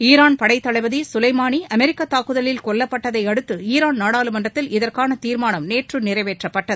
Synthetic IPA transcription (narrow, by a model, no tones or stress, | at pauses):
iːɾaːnpɐɽɐɪt̪ːɐɭɐɪʋɐðisʊlɐɪmaːniɐmɛɾɪkːɐt̪ːaːkːɯðɐlɪlkɔɭːɐpːɐʈːɐðɐɪɐɽɯt̪ːɯiːɾaːnnaːɽaːlɯmɐɳɖrɐt̪ːɪlɪðɐrkaːnɐt̪iːɾmaːnɐmneːʈrɯnɪrɐɪʋeːʈrɐpːɐʈːɐðɯ